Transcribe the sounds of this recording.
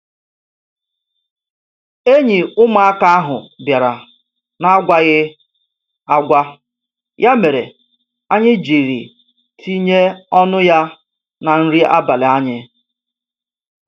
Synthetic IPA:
e˦ɲi˨ʊ˦ma˨a˦ka˦a˦ɦʊ̰˨bja˨ɾa˨ | na˨˦a˦ɡʷa˦ɣɪ˦ | a˦ɡʷa˦ | jʔa˦me˨ɾḛ˨ | a˦ɲɪ˦d͡ʒi˨ɾḭ˨ | tʰi˦ɲe˦ɔ˦nʊ˦ja˦ | na˨n̩˦ɾi˦ʔa̰˦ba˨le˨a˦ɲɪ˦

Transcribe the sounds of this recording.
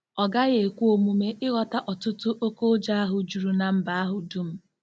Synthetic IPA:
ɔ˨ɡa˦ɣe˨kʷu˦o˨mu˨me˦ʔɪ˦ɣɔ˨ta˦ʔɔ˨tʊ˦tʊ˦ʔo˦ko˦d͡ʒa˦a˦ɦʊ˨d͡ʒu˨ɾu˨na˨m̩˦ba˨a˦ɦʊ˨du˦m̩˦

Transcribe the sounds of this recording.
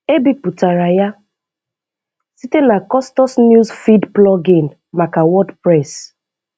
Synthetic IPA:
e˦bi˨pu˨ta˨ɾa˨ja˦ | si˦te˦na˨kɔ˦stɔ˦snju˦zfi˦dplɔ˦ɡĩ˨n | ma˨ka˨wɔ˦dpɾɛ˦˨s

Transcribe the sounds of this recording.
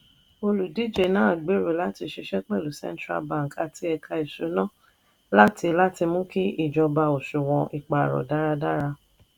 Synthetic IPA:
o˧lu˨di˦˨d͡ʒe˨nãː˦a˨ɡ͡be˨˦ɾo˨la˨˦ti˧ʃe˧˦ʃɛ˦k͡pɛ˦˨lu˨sɛ̰̃˦n˦tɾa̰˧bã˦˨ka˧˨tʰi˧˦ɛ˧kʰa˧i˨ʃo˨˦nã˦˨ | la˦ti˧la˦ti˧mũ˦ki˦i˦˨d͡ʒɔ˧ba˧o˨ʃu˨w̃ɔ̃˧ʔi˨k͡pa˨ɾɔ̰˨da˦ɾa˧da˦ɾa˧

